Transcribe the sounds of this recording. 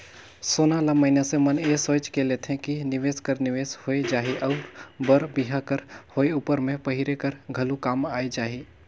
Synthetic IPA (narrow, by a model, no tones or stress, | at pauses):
soːnalaməɦɪnasemənesoːt͡ʃkelet̪ʰɦẽkinɪʋeːskəɾnɪʋeːshoed͡ʒaːɦiʔɔːɾbəɾbiɦakəɾhoːeuːpəɾmẽpəɦɪɾekəɾɡʱɐlukaːmaːed͡ʒaːɦi